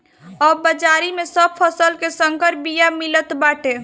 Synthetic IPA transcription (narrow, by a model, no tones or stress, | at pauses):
ɔbəd͡ʒaɾimesəb̚pʰəsəlkesəŋkəɾbijamilət̪baʈe